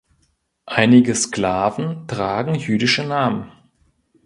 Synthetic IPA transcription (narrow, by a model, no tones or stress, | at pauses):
ʔaɪnɪɡəsklaːvn̩tʁ̥aːɡŋ̩jyːdɪʃənaːmən